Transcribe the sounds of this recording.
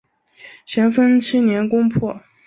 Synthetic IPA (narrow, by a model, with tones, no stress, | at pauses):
ɕjɛ˧˥nfə˥nt͡ɕ̩ʰ˥njɛ˧˥nkʊ˥ŋpʰwɔ˥˩